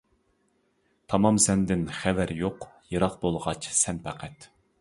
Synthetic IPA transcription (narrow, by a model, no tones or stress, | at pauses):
t̪ʰɑmɑmsɛnd̪ɪnχɛvæɾjoqjɨɾɑqbolˠʁɑt͡ʃsɛnpʰæqʰæt̪